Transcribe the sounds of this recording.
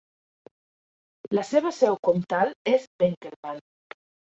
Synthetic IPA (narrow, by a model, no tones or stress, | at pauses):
ləseβəsɛwkɔmt̪alezbeŋkelβan